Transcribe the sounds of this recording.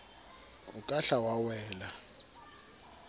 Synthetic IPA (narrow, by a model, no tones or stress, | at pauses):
ukʼaɬawawɛːla